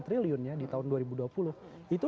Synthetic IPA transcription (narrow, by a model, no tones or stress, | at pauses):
t̪ɾiliʊnɲadit̪aʊnduaɾibuduapulʊh | it̪u